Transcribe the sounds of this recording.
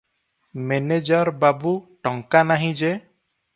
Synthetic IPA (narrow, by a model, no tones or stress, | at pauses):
mened͡ʒɔɾbabuʈɔŋkanaɦĩd͡ʒe